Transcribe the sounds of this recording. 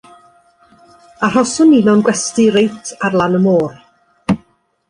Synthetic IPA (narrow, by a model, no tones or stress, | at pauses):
ar̥ɔsʊninɔnɡwɛstiɾejtʰarlˠanəmoːr